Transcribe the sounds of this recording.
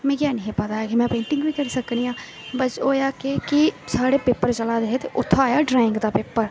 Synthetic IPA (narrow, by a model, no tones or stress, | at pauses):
mɛ̃ːkjaːnɪɦẽpət̪aɛkimɛ̃ːpẽːɳʈɪ̃ŋɡbikəɾsəknijãː | bəsoːjaːkekisaːɽepeːpːəɾt͡ʃəlaːd̪eɦet̪eʔʊt̪ʰːaːjaːɖɾaːɪ̃ŋɡd̪apeːpːəɾ